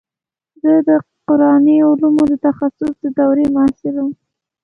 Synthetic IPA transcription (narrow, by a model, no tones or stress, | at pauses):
zəd̪əqʊɾɑniʊlumod̪ət̪axasʊsd̪əd̪awɾemʊɑsɪlum